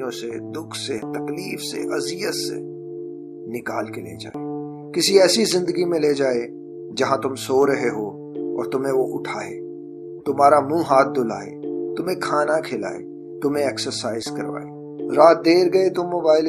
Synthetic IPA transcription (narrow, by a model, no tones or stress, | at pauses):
jõsed̪ʊkʰset̪ɐkliːfsḛʔɐzijət̪sḛ | nɪkaːlkelḛːd͡ʒa̰ːeː | kɪsiɛːsizɪ̃nd̪əɡimẽled͡ʒaːe | d͡ʒɐɦãt̪ʊmsoːɾɐɦeɦo | ɔːɾt̪ʊmɦẽʋoʔʊʈʰaːḛː | t̪ʊmaːɾamũːɦaːt̪̚ʰd̪ʊla̰ːḛːt̪ʊmẽkʰaːnakʰela̰ːḛ | t̪ʊmɦẽeːksəɾsaːɪzkɐɾʋa̰ːeː | ɾaːt̪̚d̪eːɾɡɐet̪ʊmːoːbaːɪl